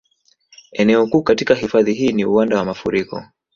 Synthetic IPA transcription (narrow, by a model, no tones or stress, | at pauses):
ɛnɛɔkuːkatikahifaðiɦiːniuwandawamafuɾikɔ̰